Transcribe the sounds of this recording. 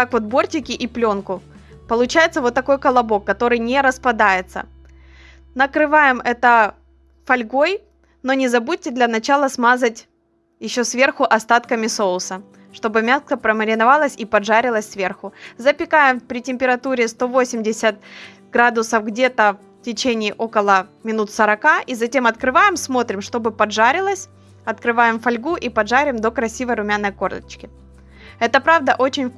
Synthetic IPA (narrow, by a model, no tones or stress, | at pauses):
t̪akvo̞t̪̚bo̞rtʲɪkʲɪʔiplʲo̞nkʊ | pəlˠʊt͡ɕæjɪt̪səvo̞t̪ːɐko̞jkəlˠɐbo̞kːɐt̪o̞ɾɨjnʲɪɾəspɐd̪ajɪt̪sə̰ | nəkɾɨvajɪmɛt̪ə | fɐlʲɡo̞j | no̞nʲɪzɐbut̚ʲːɪd̪lʲɐnɐt͡ɕalˠəsmazətʲ | jɪɕːo̞svʲe̞rxʊʔɐst̪at̪kəmʲɪso̞lˠsə | ʂt̪o̞bɨmʲaskəpɾəməɾʲɪnɐvalˠəsʲipɐʐaɾʲɪlˠəsʲsvʲe̞rxʊzəpʲɪkajɪmpɾʲɪtʲɪmʲpʲɪɾɐt̪uɾʲɪst̪o̞vo̞sʲɪmʲdʲɪsʲət̪̚ | ɡ̥ɾad̪ʊsəfɡdʲe̞t̪ə | tʲɪt͡ɕenʲɪːʔo̞kəlˠəmʲɪnut̪səɾɐkaʔizɐtʲe̞mɐt̪kɾɨvajɪmsmo̞t̪ɾʲɪmʂt̪o̞bɨpɐʐaɾʲɪlˠəsʲ | ɐt̪kɾɨvajɪmfɐlʲɡuʔipɐʐaɾʲɪmd̪o̞kɾɐsʲivəjɾʊmʲanːəjko̞rlʲˠə̰t͡ɕkʲɪ | ɛt̪əpɾavd̪əʔo̞t͡ɕɪnʲ